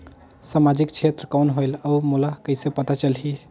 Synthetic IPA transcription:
samad͡ʒikt͡ʃʰet̪ɾəkɔnɦojləmulakəɪsepət̪at͡ʃəlɦi

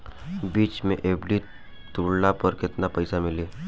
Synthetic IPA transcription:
biːt͡ʃmẽʔeːbɖi | t̪uːɽnapɐɾkɪt̪napɐɪsamɪliː

